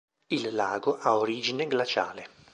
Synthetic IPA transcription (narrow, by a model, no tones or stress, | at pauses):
ilːaːɡoʔaoɾiːd͡ʒineɡlat͡ʃa̰ːle